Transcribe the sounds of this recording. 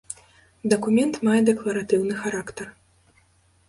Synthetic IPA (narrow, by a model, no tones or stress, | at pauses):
d̪ɐkumʲɛnt̪majɛd̪ɛklˠɐɾat̪ɨwnɨxaɾakt̪ɐr